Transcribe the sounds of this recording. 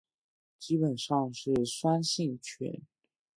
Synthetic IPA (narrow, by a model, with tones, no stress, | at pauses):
t͡ɕi˥pə˨˩nʂɑ˥˧ŋʂɻ̩˥˩swa˥nɕi˥˩ŋt͡ɕʰɥɛ̰˧˥n